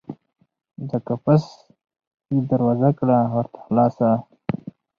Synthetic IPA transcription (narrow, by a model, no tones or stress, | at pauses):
d̪əkapas | id̪ɐɾwaːzakɽawɐɾt̪ʰḁxlɑːsa